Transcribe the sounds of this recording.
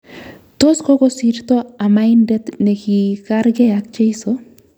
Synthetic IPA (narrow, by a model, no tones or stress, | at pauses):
t̪oskoɡosiɾt̪oamajndet̪nekikaɾɡejak̚t͡ʃejso